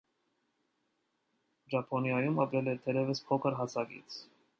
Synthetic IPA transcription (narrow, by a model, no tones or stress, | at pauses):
d͡ʒɑpʰɔnjɑjumɑpɾɛlɛɾt̪ʰɛɾɛvəspʰɔkʰəɾɦɑsʰɑɡḭt͡sʰ